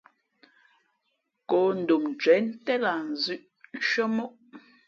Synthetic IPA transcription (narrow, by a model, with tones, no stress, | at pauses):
ko˨n̩˨du˨mn˨t͡ʃɛ˨˦n̩˦tɛ˦la˨n˨zʉ˦ʔ | n˦ʃə˦mo˦ʔ